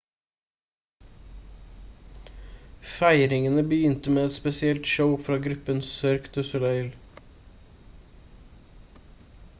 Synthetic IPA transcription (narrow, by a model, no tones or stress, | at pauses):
fæɪɾɪŋənəbəjʏnt̪əmeːɛt̪spɛsɪɛlt̪ʃəʊfɾɑːɡɾʉpənsœɾkt̪əsʊlœɪl